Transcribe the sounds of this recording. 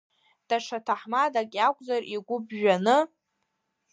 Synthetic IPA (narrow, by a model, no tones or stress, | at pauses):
d̥aʂʰatʰaħmadakʲʼakʷʼzarʔiɡʷʊbʒᶣanɨ